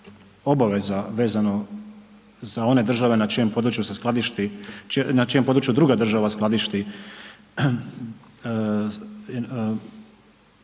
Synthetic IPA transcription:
o̞baʋe̞zaʋe̞ːzano̞ | zao̞ne̞d̪r̩ʒaʋe̞nat͡ʃijompo̞d̪ɾut͡ʃjusesklˠad̪iʃt̪it͡ʃnat͡ʃijo̞mpo̞d̪ɾut͡ʃjud̪ɾuɡad̪r̩ʒaʋasklˠad̪iʃt̪i

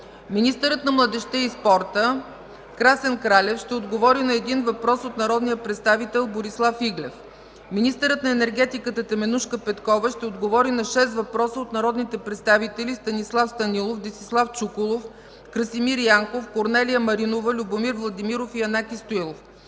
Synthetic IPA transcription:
minist̪əɾət̪nɐmlˠəd̪ɛʃt̪ɛispɔɾt̪ə | kɾasɛnkɾalɛfʃt̪ɛod̪ɡovɔɾinɐɛd̪invɐpɾɔsot̪nɐɾɔd̪nijəpɾɛt̪st̪avit̪ɛlˠboɾislˠafiɡlʲɛf | minist̪əɾɤt̪nɐɛnɛɾɡɛt̪ikət̪ət̪ɛmɛnuʃkəpɛt̪kɔvəʃt̪ɛod̪ɡovɔɾinɐʃɛst̪vɐpɾɔsəot̪nɐɾɔd̪nit̪ɛpɾɛt̪st̪avit̪ɛlist̪ɐnislˠafst̪ɐnilˠofd̪ist̪islˠaft͡ʃukʊlˠof | kɾəsimiɾjaŋkofkoɾnɛlijəmɐɾinovəlʲʊbomiɾvlˠɐd̪imiɾofiɐnakʲist̪oilˠof

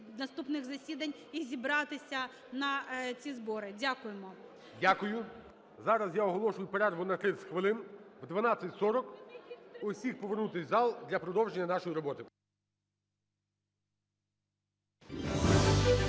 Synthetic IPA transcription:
nɐst̪upnɪɣzɐsʲid̪ɐnʲ | izʲibɾɑt̪ɪsʲɐ | nɐt͡sʲizbɔɾɪdʲakʊjemɔ | dʲakʊjʊ | zɑɾɐzjaɔɦɔlˠɔʃʊjʊpeɾɛrʋʊnɐt̪ɾɪsʲxʋɪlˠɪnʋd̪ʋɐnɑt͡sʲːɐtʲsɔɾɔk | ʊwsʲixpɔʋernut̪ɪsʲzɑlˠd̪lʲɐpɾɔd̪ɔwʒenʲːɐnɑʃɔjiɾɔbɔt̪ɪ

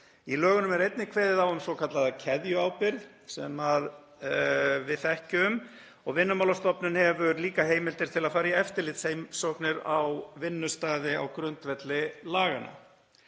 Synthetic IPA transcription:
ilœːɣʏnʏmɛɾejt̪nɪkʰveːðɪðawʏmθowkʰat̪laðacʰɛðjʏawpɪɾð | sɛ̰mað | vɪðθɛhcʏʏm | ɔɣvɪnːʏmawlast̪ɔpnʏnhɛvʏliːkaɦeːjmɪlt̪ɪɾ̥t̪ʰɪlaðfaːɾaiɛft̪ɪɾlɪt̪shejmsɔknɪɾa̰wvɪnːʏst̪aːðɪa̰wkɾʏnt̪vɛt̪lɪlaːɣana̰

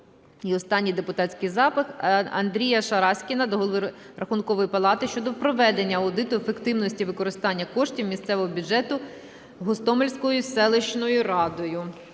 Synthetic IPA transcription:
iɔst̪ɑnʲːijd̪epʊt̪ɑtʲsʲkɪjzɑpɪxɐ̰nd̪ɾʲijɐʃɐɾɑsʲkʲinɐd̪ɔɦɔlˠʋˠɪ | rʔɐxunkɔʋɔjipɐlˠɑt̪ɪʃt͡ʃɔd̪ɔpɾɔʋɛd̪enʲːɐɐwʊd̪ɪt̪ʊefekt̪ɪwnɔsʲtʲiʋɪkɔɾɪst̪ɑnʲːɐkɔʃtʲiwmʲist̪sɛʋɔɦɔbʲʊdd͡ʒɛt̪ʊ | ɦɔst̪ɔmelʲsʲkɔjʊsɛlˠeʃnɔjʊɾɑd̪ɔjʊ

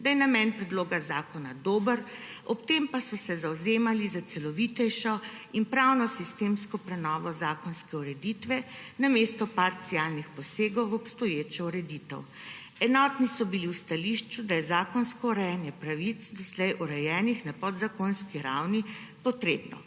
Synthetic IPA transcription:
d̪ajɛnamɛnpɾɛd̪loːɡazaːkɔnad̪oːbəɾ | ɔp̚t̪empasɔsɛzawzeːmalizat̪sɛlɔʋit̪ɛjʃɔ | inpɾawnɔsist̪emskɔpɾɛnɔːʋɔzaːkɔnskɛuɾɛd̪it̪ʋɛnamest̪ɔpaɾt̪sialnixpɔseːɡɔwɔpst̪ɔjeːt͡ʃɔuɾɛd̪it̪ə̰w | ɛnɔt̪nisɔbiliwst̪aliʃt͡ʃud̪ajɛzaːkɔnskɔuɾɛjɛnjɛpɾaʋit̪sd̪ɔslɛjʔuɾɛjɛːnixnapɔd̪zakonskiɾa̰wni | pɔt̪ɾeːbnɔ̰

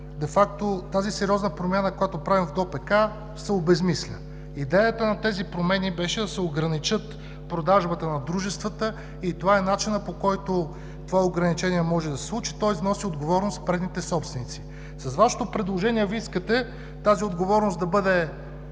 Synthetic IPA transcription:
d̪ɛfak̚t̪ot̪azisɛɾʲiɔznəpɾomʲjanəkojat̪opɾavimvd̪ɔpɛka | sɛobɛzmislʲə | id̪ɛjət̪ənɐt̪ɛzipɾomɛnibɛʃɛd̪ɐsɛoɡɾɐnit͡ʃɤt̪ | pɾod̪aʒbət̪ənɐd̪ɾuʒɛst̪vət̪ə | it̪ovaɛnat͡ʃinəpokɔjt̪o | t̪ovaoɡɾɐnit͡ʃɛniɛmɔʒɛd̪ɐsɛ̥slˠut͡ʃi̥t̪ɔjznɔsiod̪ɡovɔɾnospɾɛd̪nit̪ɛsɔpst̪vɛnit̪si̥ | sɐzvaʃɛ̥t̪opɾɛd̪lˠoʒɛniɛviiskət̪ɛ | t̪aziod̪ɡovɔɾnosd̪ɐbɤd̪ɛ

